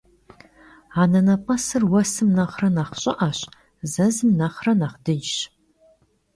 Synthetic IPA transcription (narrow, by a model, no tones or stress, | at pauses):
aːnɐnɐpʼɐsɨrwɐsɨmnɐχrɐnaːχɕʼɪʔɐɕ | zɐzɨmnɐχrɐnaːχdɨjɕ